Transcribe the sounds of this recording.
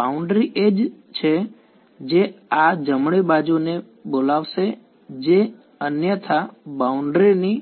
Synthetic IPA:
bauɳɖɾiʔed͡ʒ | t͡ʃʰe | d͡ʒead͡ʒəmɭibad͡ʒune | bolaʋʃe | d͡ʒe | ənjət̪ʰabauɳɖɾini

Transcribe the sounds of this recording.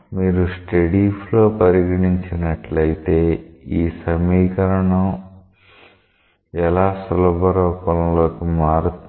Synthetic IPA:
miːɾusʈeɽiflo̞ːpɐɾiɡɐɳiɲt͡ʃinɐʈlɐjit̪e̞ːiːsɐmiːkɐɾɐɳɐm | ɛlaːsulɐbʱɐɾɔːpɐllo̞ːkimaːɾut̪

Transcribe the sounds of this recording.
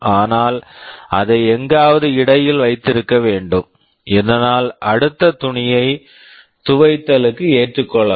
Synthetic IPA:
aːnaːlɐðɐɪɛŋɡaːʋɐðɯɪɽɐjɪlʋɐɪt̪ːɪɾɯkːɐʋeːɳɖɯm | ɛðɐnaːlɐɽɯt̪ːɐt̪ʊɳɪjɐɪ | t̪ʊʋɐɪt̪ːɐlɯkːɯeːʈrɯkːɔɭːɐ

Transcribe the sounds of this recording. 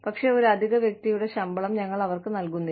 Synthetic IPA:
pɐkʂe̞ːo̞ɾuɐd̪ʱiɣɐʋjɐk̚t̪ijuɽe̞ɕɐmbɐɭɐmɲɐŋːɐɭɐʋɐrkɨnɐlkunːi

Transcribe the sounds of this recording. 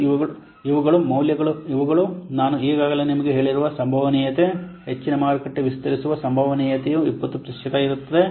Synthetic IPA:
iʋuɐɭ | iʋuɡɐɭumɐwljɐɡɐɭuiʋuɡɐɭunaːnuiːɡaːɡɐlenimɐɡeɦe̞ːɭiɾuʋɐsɐmbʱɐʋɐniːjɐt̪e | het͡ʃːinɐmaːɾɐkɐʈːeʋist̪ɐɾisuʋɐsɐmbʱɐʋɐniːjɐt̪ejuipːɐt̪ːupɾɐʂjɐt̪ɐːjiɾut̪ːɐðe

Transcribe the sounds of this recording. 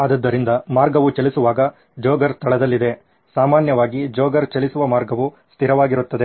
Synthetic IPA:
ɐd̪ɐd̪ːɐɾind̪ɐmaːɾɡɐʋut͡ʃɐlisuʋaːɡɐ | d͡ʒoːɡɐɾst̪ʰɐɭɐd̪ɐlːid̪e̞ | saːmaːnjɐʋaːɡid͡ʒoːɡɐɾt͡ʃɐlisuʋɐmaːɾɡɐʋu | st̪ʰiɾɐʋaːɡiɾut̪ːɐd̪e̞

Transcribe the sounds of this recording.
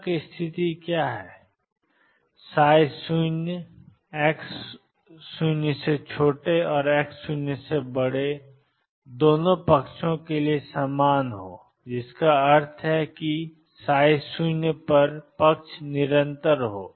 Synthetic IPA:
kist̪ʰɪt̪ikjaːɦɛː | saːɪsun | eːks | sunjəset͡ʃʰoːʈeɔːɾɛːksunjəsebəɽ̤e | d̪oːnõpɐkʃõkeliesaːmaːnɦoː | d͡ʒɪskaɐɾt̪ʰɦɛki | saːɪsunjəpɐɾpɐkʃʰnɪɾə̃nt̪əɾɦoː

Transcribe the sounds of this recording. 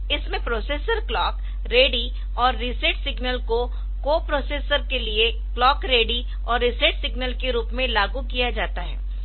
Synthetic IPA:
ɪsmẽpɾoːseːsəɾklɔːk | ɾeːɖi | ɔːɾːiseːʈsɪɡnəlko | koːpɾoːseːsəɾkelie | klɔːkɾeːɖi | ɔːɾːɪseːʈsɪɡnəlkeɾuːpmẽlaːɡukijad͡ʒaːt̪aɦɛ̰ː

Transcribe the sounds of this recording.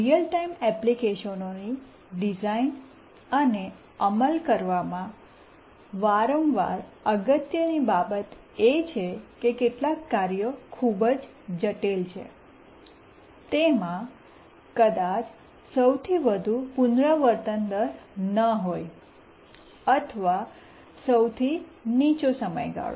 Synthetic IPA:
ɾijəlʈaimɛplikeʃənoni | ɖizain | əne | əməlkəɾʋamã | ʋaɾəmʋa̰ɾəɡət̪jənibabət̪ | et͡ʃʰekekeʈlakːaɾijokʰubəd͡ʒ | d͡ʒəʈelt͡ʃʰḛ | t̪emã | kəd̪at͡ʃ | səwt̪ʰiʋəd̪ʱupunɾəʋəɾt̪ənd̪əɾnəɦoj | ət̪ʰəʋa | səwt̪ʰinit͡ʃosəmə̰jɡa̰ɭo̰

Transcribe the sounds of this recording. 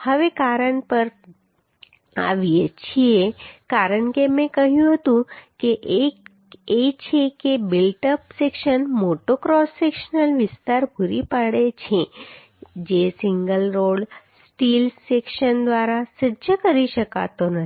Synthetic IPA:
həʋekaɾəɳpəɾ | a̰ʋet͡ʃʰiekaɾəɳkemɛ̃kəɦjũɦət̪ũkeʔ | et͡ʃʰekebɪlʈəpsekʃənmoʈokɾɔsːekʃənəlʋɪst̪aɾbʱuɾipaɽet͡ʃʰe | d͡ʒesɪŋɡəlɾoɽsʈilsekʃənd̪ʋaɾasəd͡ʒəkəɾiʃəka̰t̪onə

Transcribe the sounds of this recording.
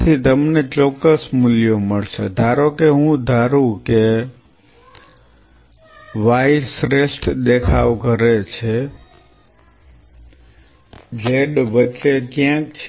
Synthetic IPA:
t̪ʰit̪əmnet͡ʃɔkːəsmʊljoməɭʃed̪ʱaɾokeɦũd̪ʱaɾũke | ʋajisɾesʈd̪ekʰaʋkəɾet͡ʃʰe | d͡ʒeɖʋət͡ʃːekjãkt͡ʃʰ

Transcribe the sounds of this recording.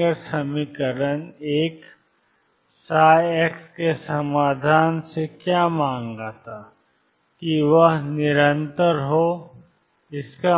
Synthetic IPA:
əɾsɐmikəɾəneːk | saːjɛkskesɐmaːd̪ʱaːnsekjaːmãːŋɡat̪ʰa | kiʋəɦnɪɾə̃nt̪əɾɦoː | ɪska

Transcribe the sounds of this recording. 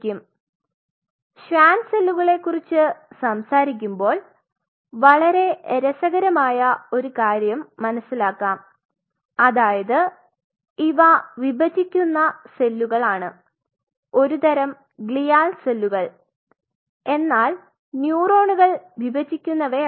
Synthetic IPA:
kʲːum | ɕʋaːnse̞lːuɣɐɭe̞kːurit͡ɕːɨsɐmsaːɾik̬ʲːumbo̞ːl | ʋɐɭɐɾe̞eɾɐsɐɣɐɾɐmaːjɐo̞ɾukaːɾjɐmːɐnɐsːilaːkːaːm | ɐðaːjɐðɨ | iʋɐʋibʱɐd͡ʑikʲːunːɐse̞lːuɣɐɭaːɳɨ | o̞ɾut̪ɐɾɐm | ɡɭijaːlselːuɣɐɭ | e̞nːaːl | njuːro̞ːɳuɣɐɭʋibɐd͡ʑikʲːunːɐʋe

